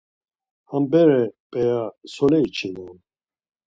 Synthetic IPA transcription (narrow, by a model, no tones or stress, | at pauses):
hambɛɾɛpʼɛjasɔlɛit͡ʃʰinɔn